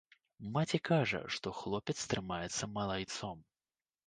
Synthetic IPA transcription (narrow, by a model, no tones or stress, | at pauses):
mat͡sʲikaʐɐ̰ʂt̪ɔxlˠɔpʲɛt̪st̪ɾɨmajɛt̪sːɐmɐlˠajt̪sɔm